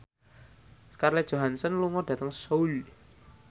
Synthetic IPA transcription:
skarlɛd̥ʒ̥o̤ɦansənluŋɔɖ̥ä̤t̪əŋsoul

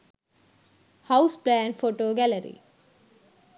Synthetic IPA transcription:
hɐwsplæːnfoʈoːɡæləɾḭː

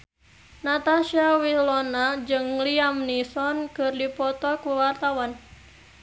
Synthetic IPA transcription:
nat̪aʃawilɔnad͡ʒɨŋliamnisɔnkɨrdipɔt̪ɔkuwart̪awan

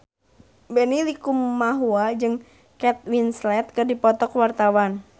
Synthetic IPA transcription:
bɛnilikumːaɦuad͡ʒɨŋ | kɛt̪̚winslɛt̪̚kɨrdipɔt̪ɔkwart̪awan

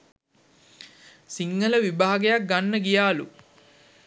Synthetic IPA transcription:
siŋːələʋibaːɡejak̚ɡanːəɡijaːlu

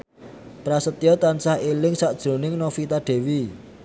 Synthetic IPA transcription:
pɾasət̪iɔt̪ansahelɪŋsaʔd̥ʒ̥ɾo̤nɪŋnɔfit̪aɖ̥e̤wi

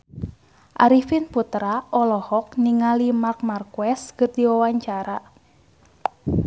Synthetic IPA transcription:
ʔaɾifinput̪ɾaʔɔlɔhɔk̚niŋalimark̚markuɛskɨrdiwawaɲt͡ʃaɾa

